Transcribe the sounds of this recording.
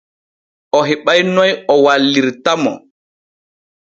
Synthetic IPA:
ʔɔɦɛɓajnɔjɔwalːiɾtamɔ̰

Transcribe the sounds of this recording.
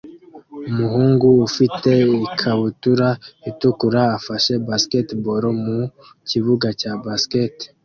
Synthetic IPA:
umuɦuːŋɡuːfitʰe̞ikʰaβutuɾaitukuɾaːfaʃe̞basketboɾomu | ciβuɡacabasket

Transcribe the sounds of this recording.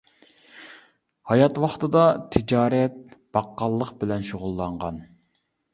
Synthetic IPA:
hɑjɑt̪wɑχt̪ɨd̪ɑt̪ʰɪd͡ʒɑːɾɛt̪̚b̥ɑqːɑlˠːəqbɪlɛnʃoʁʊlˠːɑɴʁɑ̰n

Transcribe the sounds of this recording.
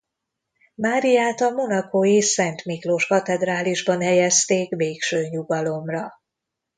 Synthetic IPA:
maːɾijaːt̪ɒmo̞nɒkojisɛnt̪miklo̞ʃkɒt̪ɛd̪raːliʒbɒnhɛjɛst̪eːkveːkʃøːɲuɡɒlo̞mrɒ

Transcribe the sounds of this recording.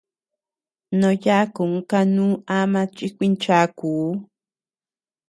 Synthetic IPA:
noʎakʊŋkanuːamat͡ʃɪkʷɪnt͡ʃakuː

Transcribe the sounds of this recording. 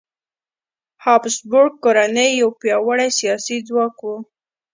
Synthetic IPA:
hɑpsbʊɾɡ̚koɾanəjːawpjɑwaɽajsijɑsid͡zwɑkwu

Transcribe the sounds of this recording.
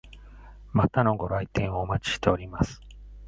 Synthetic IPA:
mat̪ano̞ɡo̞ɾait̪ẽ̞ɰ̃o̞ːmat͡ɕi̥ɕt̪e̞o̞ɾʲimasɨ̥

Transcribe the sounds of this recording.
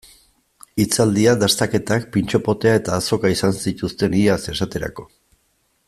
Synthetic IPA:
it͡sald̪iaðast̪ake̞t̪ak̚pint͡ʃo̞po̞t̪e̞ae̞t̪aːso̞kaisansit̪ust̪e̞niase̞sat̪e̞ɾa̰ko̞̥

